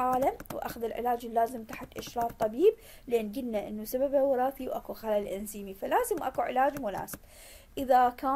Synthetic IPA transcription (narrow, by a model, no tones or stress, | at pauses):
aːlamwʔa̰xaðɪlʕɪ̰laːd͡ʒlːaːzɪmt̪aħakʔaʃɾˤɑːft̪ˤɑbiːb̚ | leːnɡɪd̪naʔɪnːusababawɾˤɑːθiwʔakuxalalʔɪnziːmifalaːzɪmwʔakuʕɪ̰laːd͡ʒmʊla̰ːsɪ̥b̥ | ʔɪðakaː